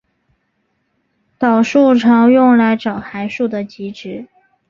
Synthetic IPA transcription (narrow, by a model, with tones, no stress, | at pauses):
t̪ɑ˨˩ʊʂu˥˩ʈ͡ʂʰɑ˧˥ŋjʊ˥˩ŋla˧˥ɪʈ͡ʂɑ˨˩ʊxa˧˥ɪʂu˥˩d̪ə˩t͡ɕi˧˥ʈ͡ʂɻ̩˧˥